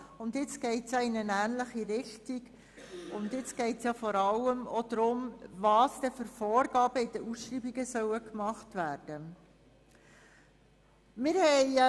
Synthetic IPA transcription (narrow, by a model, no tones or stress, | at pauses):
ʊndjɪt͡sɡ̥ɛɪtsjɑɪnənæːnləχiɾɪχtiɡ | ʊndjɪt͡sɡ̥ɛɪtsjɑfɔɾɑləmod̪̥ɾʊmvɑːsd̥ɛfʏɾfɔːɾɡ̥ɑːb̥əɪd̥əʔusʃriːbiɡəsœwəkmɑχtvæːɾd̥ə | mɪːɾhɛɪ